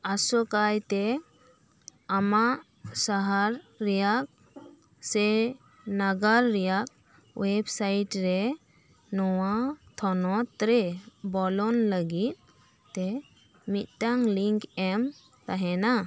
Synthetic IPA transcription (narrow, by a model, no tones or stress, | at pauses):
asɔkajt̪ɛ | amaʔ | saɦaɾːɛjak̚ | sɛ | naɡaɾːɛjak̚ | websajʈɾɛ | nɔwat̪ʰɔnɔt̪ɾebɔlɔnləɡit̪̚ | t̪ːɛ | mit̪̚ˀtaŋliŋkɛm | t̪aɦɛna